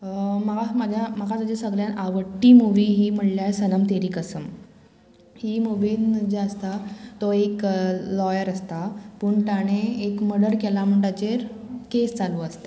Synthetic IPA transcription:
məɡamad͡ʑʱjaməkat̪ad͡ʑesəɡljanaʋəʈːiːmuʋiːɦiːm̤əɽljajsənəmt̪eɾiːkəsəm | hiːmuʋiːnd͡ʑeəst̪at̪oeklɔjəɾəst̪apuːɳt̪aɽ̃eːkməɽəɾkelam̤əɳʈ̪at͡ɕeɾkest͡saluːəst̪a

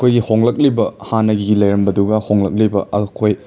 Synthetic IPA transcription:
kʰojɡihoŋlɐk̚libɐhanɐɡiɡilɐjɾɐmbɐduɡɐhoŋlɐk̚libɐ̰ɐkʰoj

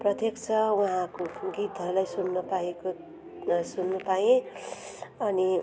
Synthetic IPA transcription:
prʌt̪jekt͡sʰʌwaɦãkoɡit̪ʌɾlajsunːʌpaeko | sunːupajẽ | ʌni

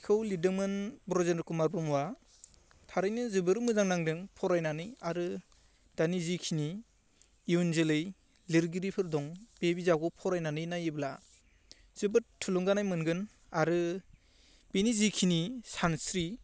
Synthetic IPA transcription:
kʰɯwlidɯmɯnbɾɔzenɯkumaɾbɯmwa | tʰaɾɯjnɯzɯbɯɾɯmɯzaŋnaŋdɯŋpʰɔɾajnanɯjaɾɯ | d̥anizikʰiniː | wunzɯlɯj | lɯɾɡiɾipʰɯɾdɔŋb̥ebizaɡɔpʰɔɾajnanɯjnajibla | z̥ɯbɯɾtʰuluŋɡanajmɯnɡɯn | aɾɯ | b̥enizikʰinisansɾi

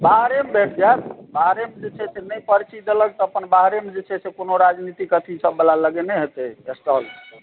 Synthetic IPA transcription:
baɦɾembeʈʰd͡ʒat̪̚baɦɾemed͡ʒet͡ʃʰɛsenəpəɾt͡ʃid̪elək̚t̪ɔəpənbaɦɾemed͡ʒet͡ʃʰɛsekonoɾad͡ʒnit̪ikət̪ʰisəbːəlaləɡenɛɦet̪ɛesʈɔl

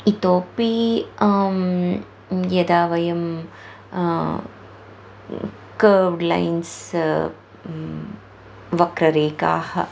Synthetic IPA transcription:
it̪oːpi | jɐd̪aːʋɐjɐm | kɐːʋɖlɐ̰jns | ʋɐkɾɐɾeːka̰ːhɐ̰

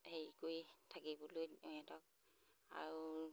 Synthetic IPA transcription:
heɹikojtʰakibɔlojɔɛtɔk̚ | a̰ɹu

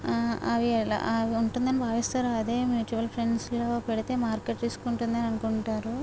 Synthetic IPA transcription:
ɐʋiɛla̰ɐʋiuɳʈund̪ɐnibʱaːʋist̪aːɾuɐd̪e̞ːmjuːt͡ʃuʋɐlpʰɾeɳɖsloːpɛɽit̪e̞ːmaːɾkeʈt̪iːsu̥kuɳʈund̪ɐniɐnukuɳʈaːɾu

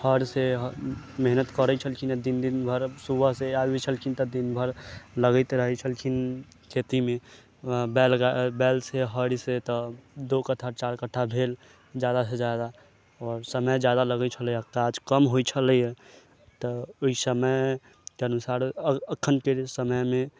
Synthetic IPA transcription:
həɾseɦ | meɦnət̪kəɾɛt͡ʃʰəlkʰined̪ind̪inbʱəɾsubʱəɦseait͡ʃʰəlkʰint̪ɔd̪inbʱəɾləɡəɪt̪ɾəɦɛt͡ʃʰəlkʰin | kʰet̪ime | bɛlɡabɛlseɦəɽset̪ɔd̪okəʈ̪ʰat͡ʃaɾkəʈʰabʱel | d͡ʒjad̪ased͡ʒad̪a | ɔːɾsəməjd͡ʒjad̪aləɡɛt͡ʃʰəlɛjakad͡ʒkəmɦojt͡ʃʰəlɛjɛ | t̪ɔoisəməj | keənusaɾəəkʰːənkesəməjme

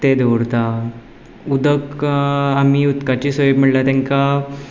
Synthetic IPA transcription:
t̪ed̪əʋɾt̪a | ud̪əkamiːut̪kat͡ɕiːsojubm̤əɽlat̪ɛ̃ŋka

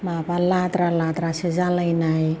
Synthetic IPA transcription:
mapalat̪ɾalat̪ɾasezalajnaj

